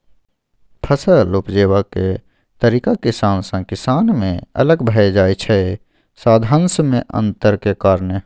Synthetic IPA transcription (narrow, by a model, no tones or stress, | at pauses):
pʰəsəluːpd͡ʒeːwake | t̪əɾiːkakɪsaːnsãkɪsaːnmḛ̃ə̰ləɡbʱəed͡ʒaːit͡ʃʰɛ | saːd̪ʱãːnsmẽʔə̰̃nt̪əɾkekaːɾnə